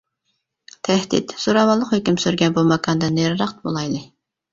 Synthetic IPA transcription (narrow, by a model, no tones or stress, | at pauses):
t̪ʰæhd̪ḭt̪soɾɑmɑlˠːəqχhøkʲimsyɾɡʲɛnbumɑkʰɑnd̪ɛneɾɾɑχt̪bolˠɑjlˠɨ